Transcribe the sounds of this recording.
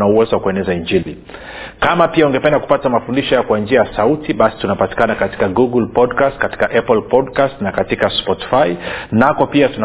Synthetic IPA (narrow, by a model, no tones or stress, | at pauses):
nauwɛzɔwakuɛnɛzaiɲd͡ʒili | kamapiauŋɡɛpɛndaku̥patamafundiʃɔjakwand͡ʒiajasautiɓasi̥tunapati̥kanakati̥kaɡuɡulpɔdkastkati̥kaʔɛplpɔdkastnakatikaspɔti̥fainakɔpiatuna